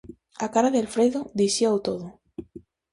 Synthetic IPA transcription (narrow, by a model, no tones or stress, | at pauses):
akaɾaðelfɾejðoðisiawt̪oðo